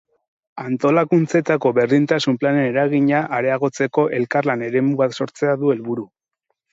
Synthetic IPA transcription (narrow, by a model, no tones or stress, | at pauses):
ant̪o̞lakunt͡se̞t̪ako̞βe̞ɾðint̪asumplane̞neɾaɣiɲaʔaɾe̞aɣ̞o̞t͡se̞ko̞ʔe̞lkarlane̞ɾe̞muβak̪so̞ɾt͡se̞aðue̞lβuɾu